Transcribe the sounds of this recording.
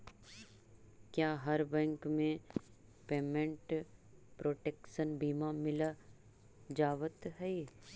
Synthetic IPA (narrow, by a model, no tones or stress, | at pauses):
kjaːɦɐɾbɛ̃ːŋkmẽ | peːmẽɳʈpɾoːʈeːkʃənbiːmamɪla | d͡ʒaːʋət̪ɦɛi